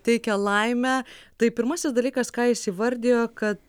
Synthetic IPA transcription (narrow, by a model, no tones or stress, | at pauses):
t̪ʲɛɪkʲɛlˠɐɪmʲæt̪ɐɪpʲɪɾmɐsʲɪsd̪ɐlʲiːkɐskɑːɪʃʲsʲiʋɐɾʲd̪ʲeːjoːkɐt̪